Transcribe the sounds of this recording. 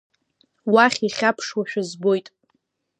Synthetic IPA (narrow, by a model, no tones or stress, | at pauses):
waχʲiχʲapʰʂwaʃᶣazbo̞jtʼ